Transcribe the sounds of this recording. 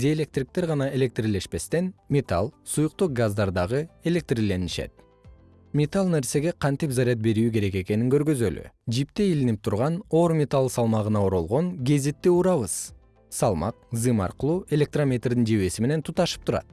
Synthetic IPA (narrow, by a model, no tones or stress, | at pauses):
d̪ʲeelʲe̞k̚t̪rik̚t̪e̞ɾʁɑnɑe̞lʲe̞k̚t̪rʲile̞ʃpe̞st̪e̞nmʲet̪a̰lˠsujʊq̚t̪oq̚ɡazd̪ɑɾd̪ɑʁɯe̞lʲe̞k̚t̪rʲile̞niʃḛt̪̚ | mʲe̞t̪alˠne̞ɾse̞ɡe̞qʰɑnt̪ipzaɾʲijat̪̚be̞ɾyːke̞ɾe̞ke̞ke̞niŋkø̞ɾɡø̞zøly̰d͡ʒipt̪e̞ilinip̚t̪ʰuɾʁɑno̞ɾmʲe̞t̪alˠsɑlˠmɑʁɯnɑoɾo̞lˠʁo̞ŋɡʲe̞zet̪ːiuɾɑβɯz̥ | sɑlˠmɑ̰q̚zɨmɑ̰ɾqɯlˠuːe̞lʲe̞k̚t̪ramʲe̞t̪rd̪ind͡ʒeβe̞sime̞ne̞nt̪ʰut̪ɑʃɯ̥p̚t̪ʰuɾɑ̰t̪̚